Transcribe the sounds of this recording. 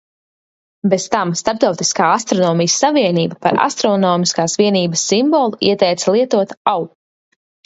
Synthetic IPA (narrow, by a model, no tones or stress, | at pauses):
bez̥t̪amst̪aɾp̚t̪awt̪i̥skaːast̪ɾɔnɔːmijəsːaviɛniːbapa̰ɾa̰st̪ɾɔnɔːmiskaːsviɛniːbəsːimbɔːlˠuiɛt̪ɛjt̪salˠiɛt̪uɔt̪aw